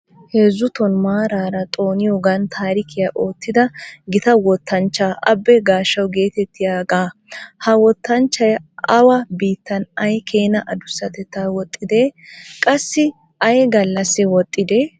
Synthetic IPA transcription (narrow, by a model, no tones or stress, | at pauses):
hezːʊt̪ɔnmaːɾaːɾɐt̪ʼo̞ːnɪjoɡɐnt̪ʰaːɾɪkʰɪjɐʔo̞ːt̪ːɪd̪ɐɡɪt̪ɐwɔt̪ʰːɐnt͡ʃːaːʔɐbːɛɡaːʃːɐwɡe̞ːt̪ɛt̪ːɪjaːɡaːhɐwɔt̪ːɐnt͡ʃːɐjʔɐwɐbiːt̪ːɐnɐjkʰeːnɐʔɐd̪ʊsːɐt̪ɛt̪ːaːwɔt̪ʼːɪd̪ekʼɐsːɪ | ʔɐjɡɐlːɐsːɛwɔt̪ʼːɪd̪e